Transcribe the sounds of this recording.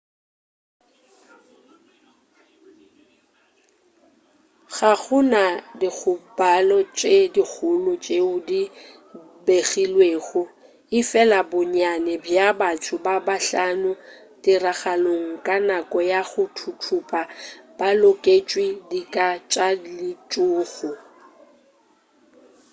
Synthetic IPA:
ɣaɣʊnadik͡xʰʊbalɔt͡ʃʼedik͡xʰʊlʊt͡ʃʼeʊdi | beɣilweːɣʊ | ɪfɛlabʊɲanɛbjabatʰʊbabaɬanʊ | dɪraɣaloŋ̩kʼanakʼɔjaɣʊtʰʊtʰʊpʼab̥alʊkʼet͡ʃʼwidikʼat͡ʃʼalɪt͡ʃʼʊːɣʊ

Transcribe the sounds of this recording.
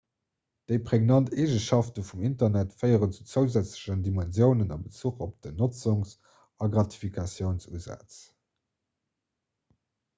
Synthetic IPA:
d̥əɪpʁeɡnɑnteːʒənʃɑftəfumintɐnætfɜɪəʁənt͡su̥t͡səʊzæt͡sləɕəndimænzjəʊnənɑ̰bət͡suːχop̚d̥ənot͡suŋs | ɑɡʁɑti̥fikʰɑsjəʊnsṵːzæ̰t͡s

